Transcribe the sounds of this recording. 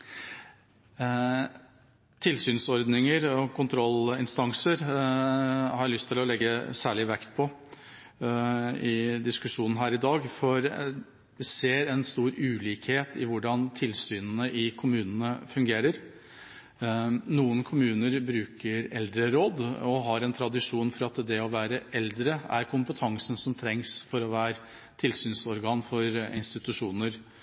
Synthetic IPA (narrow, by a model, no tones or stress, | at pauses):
t̪ʰɪlsyːnsɔɾd̪nɪŋəɾɔkʰʊnt̪ʰɾɔlɪnst̪ɑŋsəɾ | hɑɾlʏst̪ʰɪlɔlɛɡːəsæːɭɪʋækt̪̚pʰɔ | ɪd̪ɪskʉʂuːnn̩ɦæːɾɪd̪ɑːɡfɔɾ | ʋɪseːɾɛnst̪uːɾʉːliːkheːt̪ʰɪʋʊɖɑnt̪ʰɪlsyːnənəʔɪkʰʊmʉːnənəfʉŋɡeːɾəɾ | nuːənkʰʊmʉːnəɾbɾʉːkʰəɾɛld̪ɾəɾoːd̪ɔɦɑɾɛnt̪ʰɾɑd̪ɪʂuːnfɔɾɑt̪d̪ɛɔʋæːɾəʔɛld̪ɾəæ̰ɾkʰʊmpət̪ʰɑŋsən̩sɔmt̪ʰɾɛŋsfɔɾɔʋæːɾə | t̪ʰɪlsyːnsɔɾɡɑːnfɔɾɪnst̪ɪt̪ʉʂuːnəɾ